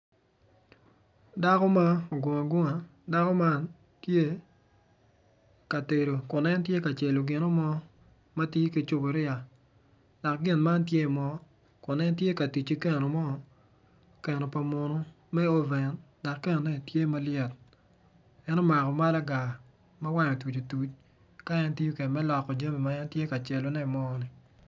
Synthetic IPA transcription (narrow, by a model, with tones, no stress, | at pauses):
da˦kɔ˦ma˦o˨ɡɔ˨ŋa˨ɡʊ˦ŋa˨da˦kɔ˦ma˦n | tje˦ | ka˨te˨ɾo˨kʊ˨nɛ˦ntje˦ka˨t͡ʃe˨lo˨ɡɪ˨nɔ˦mɔ˦ | ma˦ti˦ke˨t͡ʃo˦bo˨ɾɪ˦a˨ | da˨k̚ɡɪ˦˨nma˦ntje˦˨mɔ˨˦ | kʊ˨nɛ˦ntje˦ka˨tu˨t͡ʃi˦kɛ˦˨no˨mɔ˦ | kɛ˨no˨pa˨mo˨no˦ | mɛ˦o˦vɛ˨nda˨kːɛ˦n˨nɛ˦˨tje˦ma˦lɪjɛ˨t̚ | ɛ˦nɔ˦ma˨kɔ˨ma˦la˦ɡa˨ | ma˦wa˦no˨tu˨t͡ʃo˨tu˨˦t͡ʃ | ka˦ɛ˦nti˦u˦ke˨nmɛ˦lɔ˨kːɔ˨d͡ʒa˦me˨ma˦ɛ˦ntje˦ka˨t͡ʃe˨lo˨nɛ˦˨mɔ˦nɪ˨